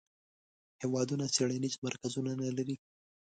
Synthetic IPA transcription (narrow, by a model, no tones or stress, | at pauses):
hewɑd̪unaseɽanizmaɾkazunanalaɾi